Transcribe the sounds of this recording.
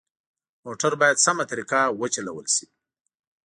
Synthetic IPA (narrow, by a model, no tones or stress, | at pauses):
moʈaɾbɑjad̪samat̪ɾikawət͡ʃalawəlsi